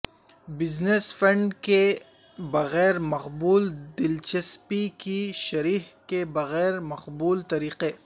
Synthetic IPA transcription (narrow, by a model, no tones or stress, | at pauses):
bɪznesfɐ̃ɳɖke | bɐɣɛːɾmɐqbuːld̪ɪlt͡ʃɐspikiʃɐɾiːɦkebɐɣɛːɾmɐqbuːlt̪ɐɾiːqe